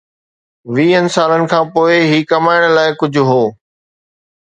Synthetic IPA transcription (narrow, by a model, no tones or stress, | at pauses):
ʋiːənɪ̆saːlənɪ̆kʰãːpoːɪɦiːkɐmaːɪɽ̃laːɪkʊd͡ʑʱʊɦoː